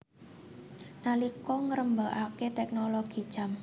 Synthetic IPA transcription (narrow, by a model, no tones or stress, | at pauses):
nalikɔŋəɾəmbaʔaket̪ɛk̚noloɡ̥i̤̥ʒ̥a̤m